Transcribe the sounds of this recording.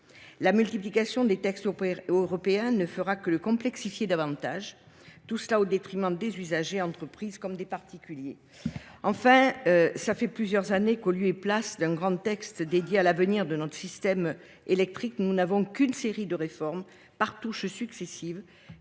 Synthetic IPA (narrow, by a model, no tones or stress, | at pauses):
lamylt̪iplikasjɔ̃d̪et̪ɛkst̪øʁɔpeɛ̃nəfəʁakələkɔ̃plɛksifjed̪avɑ̃t̪aʒ | t̪usəlaod̪et̪χimɑ̃d̪ezyzaʒeɑ̃t̪χəpχizkɔmd̪epaʁt̪ikʲylje | ɑ̃fɛ̃øsafɛplyzjœʁzanekoljøeplasd̪ɛ̃ɡʁɑ̃t̪ɛkst̪d̪ed̪jealavəniʁd̪ənɔt̪χə̥sist̪ɛm | elɛk̚t̪χiknunavɔ̃kynseʁid̪əʁefɔʁm | paʁt̪uʃsyksesiv